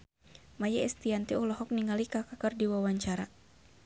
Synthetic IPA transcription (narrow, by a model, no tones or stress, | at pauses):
majaɛst̪iant̪iɔlɔɦɔk̚niŋalikakakərdiwawaɲt͡ʃaɾa